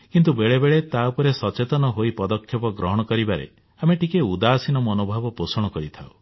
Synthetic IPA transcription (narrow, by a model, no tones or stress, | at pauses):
kint̪ubeɭebeɭet̪awpɔɾesɔt͡ʃet̪ɔnɔɦoipɔd̪ɔkʰjɔpɔɡɾɔɦɔɽ̃ɔkɔɾibaɾḛ | ameʈikeud̪aːsinɔmɔnobʱɔbɔposɔɽ̃ɔkɔɾit̪ʰaw